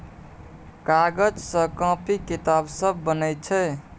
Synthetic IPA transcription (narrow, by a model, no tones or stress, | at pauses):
kaɡəd͡ʒsə̃kə̃pikit̪absəbːənəj̪t͡ʃʰɛ